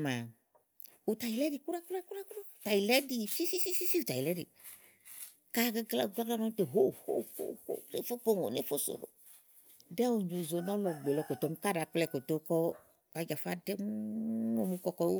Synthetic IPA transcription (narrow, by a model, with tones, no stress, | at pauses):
ma˨ | u˨ta˨ji˨lɛ˦di˨ku˦ɾa˦ku˦ɾa˦ku˦ɾa˦ku˦o˦˨ta˨ji˨lɛ˦di˧si˦si˦si˦si˦si˦u˨ta˨i˨lɛ˨˦dḭ˨ | ka˦ɡla˦˨ɡla˦ɡla˦nɔ˦te˨ɦo˦˨ho̰˦ho̰˦ho̰˦˨˦e˦fo˦po˦˨ŋo̰˨ne˦fo˦so̰˨ɾo̰˨ | dɛ˦wo˨ɲo˨zo˨nɔ˦lɔ˨ɡ͡be˨lɔ˧ko˨to˨˦m˦ka˦da˨k͡plɛ˦˧˨ko˨to˦kɔ˦ | a˨˦d͡ʒa˨fa˦dɛ˦ŋ˦o˨mu˦kɔ˨˦kɔ˦o˦